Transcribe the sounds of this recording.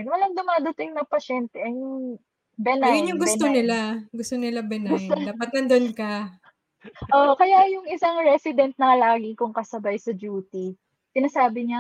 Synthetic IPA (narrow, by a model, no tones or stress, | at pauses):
nwɐlɐŋd̪ʊmaːd̪ɐt̪ɪŋnɐŋpɐʃɛnt̪ɛʔɐŋŋ | bɛnajʊnjʊŋɡʊonɪlaɡʊst̪onɪlabɛnɐɡʊoapɐt̪nɐnd̪onkɐ | ʔokɐjajʊŋʔɪsaŋɹɛsɪd̪ɛnt̪̚nɐŋɐlaːɡɪkʊŋkɐsɐbajsɐd͡ʒuːt̪i | sɪnɐsaːbɪɲa